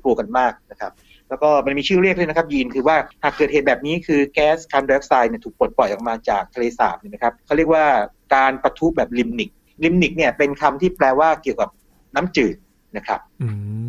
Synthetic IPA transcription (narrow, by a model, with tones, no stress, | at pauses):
klu˧ka˧nmaː˥˩k̚na˦˥kʰɾa˦˥p̚ | lɛ˦˥wkɔː˥˩ma˧nmiː˧t͡ɕʰɯː˥˩ɾi˥˩k̚lːna˦˥kʰa˦˥p̚jiː˧nkʰɯː˧waː˥˩haː˨˩kːɤː˨˩t̪̚heː˨˩t̚bɛː˨˩p̚niː˦˥kʰɯː˧kɛː˦˥skʰa˧nda˧˦˥k̚saː˧jni˥˩t̪ʰuː˨˩k̚po˨˩t̪̚pɔ˨˩jʔɔ˨˩k̚maː˧t͡ɕaː˨˩k̚t̪ʰa˧leː˧sa̰ː˨˩˦m̚niː˥˩na˦˥kʰɾa˦˥p̚kʰa˥˩ɾi˥˩ək̚waː˥˩kaː˧npa˧t̪ʰu˦˥p̚bɛː˨˩p̚li˧mni˨˩k̚ | li˧mni˨˩k̚ni˥˩ɐpe˧nkʰa˧mt̪ʰiː˥˩plɛː˧waː˥˩ki˨˩əwka˨˩p̚ | naː˦˥mt͡ɕɯː˨˩t̪̚ | na˦˥kʰɾa˦˥p̚